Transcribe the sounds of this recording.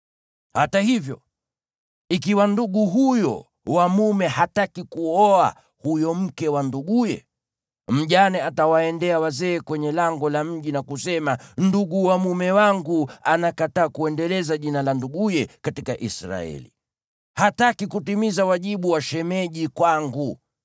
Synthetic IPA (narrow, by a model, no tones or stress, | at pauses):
hatahivjɔ̰ | ikiwanduɠuɦujɔ̰ | wamumɛhatakikuɔa̰ | hujɔm̩kɛwanduɡujɛ̰ | m̩ʄanɛatawaɛndɛawazɛːkwɛɲɛlaŋɡɔlam̩ʄinakusɛmanduɡuwamumɛwaŋɡuanakataːkuɛndɛlɛzaʄinalanduɡujɛkatikaʔisɾa̰ɛ̰lḭ | hatakikutimizawaʄiɓuwaʃɛmɛʄikwaŋɡu